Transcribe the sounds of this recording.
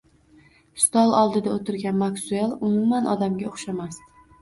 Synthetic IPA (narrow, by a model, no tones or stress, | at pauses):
st̪ɒlˠɒlˠd̪ɪd̪aot̪ɪɾɡʲanmaksʊelˠʊmʊmanʔɒd̪amɡʲaoχʃamas